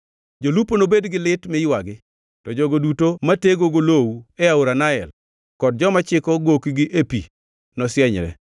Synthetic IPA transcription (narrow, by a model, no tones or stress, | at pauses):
d͡ʒoluponobedɡɪlɪtmɪɪwaɡɪ | tɔd͡ʒɔɡodutomateɡoɡolowɛaoɾanaɛ̰l | kɔd̚d͡ʒɔmat͡ʃɪkɔɡokiɡɪʔepḭ | nɔsɪjɛɲɾɛ̰